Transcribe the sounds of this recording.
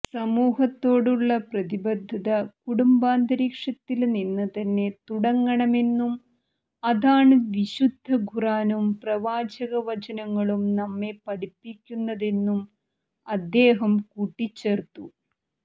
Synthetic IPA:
sɐmuːɦɐt̪ːo̞ːɽuɭːɐprɐðibɐd̪ʱːɐðɐkuɽumbaːnd̪ɐɾiːkʂɐt̪ːilninːɐt̪ɐnːe̞t̪uɽɐŋːɐɳɐme̞nːum | ɐðaːɳɨʋiɕud̪ʱːɐɡʱuraːnumprɐʋaːd͡ʑɐɣɐʋɐt͡ɕɐnɐŋːɐɭumnɐmːe̞pɐɽipːikʲːunːɐðe̞nːum | ɐd̪ːe̞ːɦɐmkuːʈːit͡ɕːe̞ːrt̪ːu

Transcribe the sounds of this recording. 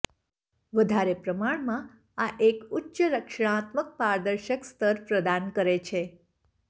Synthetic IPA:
ʋəd̪ʱaɾepɾəmaɳmã | aʔekʊtːʃəɾəkʃɳãt̪mək̚paɾd̪əɾʃəkst̪əɾpɾəd̪ankəɾet͡ʃʰe

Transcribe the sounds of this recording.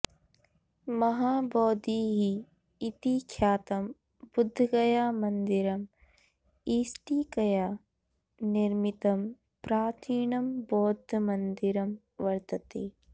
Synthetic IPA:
mɐɦaːbɔːd̪iːɦiː | t̪ikʰjaːt̪ɐm | bʊd̪ʱːɐɡɐjaːmɐnd̪iɾɐm | iːsʈiːkɐjaː | nɪɾmit̪ɐm | pɾaːt̪ʰiːɳɐmbɔːd̪ʱɐmɐnd̪iɾɐm | ʋɐɾt̪ɐt̪eː

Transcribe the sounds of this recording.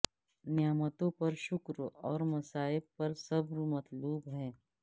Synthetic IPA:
nɪjəmət̪õpɐɾʃʊkɾɔːɾmɐsaːɪb̚pɐɾsɐbɾmɐt̪luːbɦɛ̃ː

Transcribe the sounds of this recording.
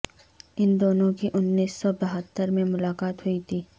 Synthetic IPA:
ɪnd̪oːnõkiʔʊnːiːsːɔbɐɦət̪ːəɾmẽmʊlaːkaːt̪hʊit̪ʰiː

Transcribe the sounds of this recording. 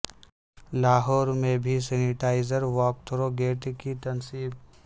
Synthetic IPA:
laːɦɔːɾmẽbʱisɛːnɪʈaːɪzəɾʋɔːk̚t̪ʰɾoɡeːʈkit̪ɐnsiːb

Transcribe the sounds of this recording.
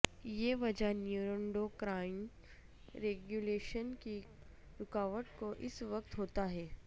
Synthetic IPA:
jeʋɐd͡ʒanjuːɾə̃ɳɖokɾaːɪn | ɾeːɡjuleːʃənki | ɾʊkaːʋəʈkoʔɪsʋɐk̚t̪ɦoːt̪aɦɛː

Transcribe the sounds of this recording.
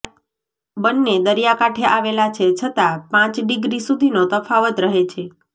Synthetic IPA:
bənːed̪əɾjakaʈʰeʔaʋelat͡ʃʰet͡ʃʰət̪apãt͡ʃɖɪɡɾisud̪ʱinot̪əfʰaʋət̪ɾəɦet͡ʃʰe

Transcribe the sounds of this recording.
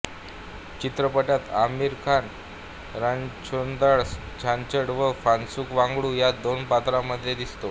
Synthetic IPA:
t͡ɕit̪ɾəpəʈjat̪amiɾkʰan | ɾant͡ɕond̪aɭs | t͡ɕʰant͡ɕəɽʋəfansuːkʋaŋɡɽuːjad̪onpat̪ɾaməd̪ʱjed̪ist̪o

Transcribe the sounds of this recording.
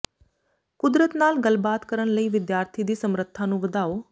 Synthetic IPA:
kʊd̪ɾət̪naːlɡəlbaːt̪kəɾəɳləiːʋɪd̪jaːɾt̪ʰiːd̪iːsəmɾət̪ʰːãːnũːʋəd̪aːoː

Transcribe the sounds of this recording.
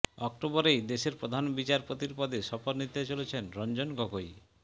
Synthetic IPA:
ɔk̚ʈobɔɾejd̪eʃeɾpɾod̪ʱanbit͡ɕaɾpot̪iɾpɔd̪ʱeʃɔpoɾnit̪et͡ɕolet͡ɕʰenɾɔnd͡ʑonɡɔɡoj

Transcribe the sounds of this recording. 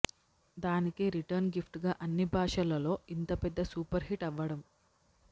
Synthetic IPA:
d̪aːnikiɾiʈɐɾnɡipʰʈɡaːʔɐnːibʱaːʂɐlɐlo̞ːint̪ɐpɛd̪ːɐsuːpɐɾɦiʈɐʋːɐɽɐm

